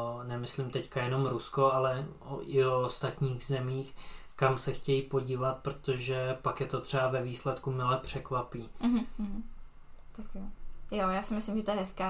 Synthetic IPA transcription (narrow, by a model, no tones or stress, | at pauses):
nɛmɪslimt̪ɛckajɛno̞mɾusko̞alɛ | o̰ʔɪost̪at̪ɲiːɣzɛmiːx | kamsɛxcɛjipo̞ɟiːvat̪̚pɾo̞t̪oʒɛpakjɛt̪ot̪r̥ɛbavɛviːslɛt̪kumɪlɛpr̝̥ɛkvapiːɦ̩ɦ̩ | t̪akjojojaːsɪmɪslɪmʒɛt̪ojɛɦɛskaː